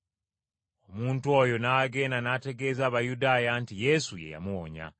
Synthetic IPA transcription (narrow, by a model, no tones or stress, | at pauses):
o̞muːntuwo̞jo̞naɡe̞ːnanate̞ɡe̞ːzaːβajudaːjantije̞suje̞̰ja̰muwoɲa̰